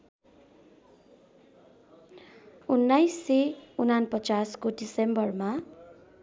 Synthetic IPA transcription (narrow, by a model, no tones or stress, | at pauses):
unːajseunanpʌt͡saskoɖisembʌrma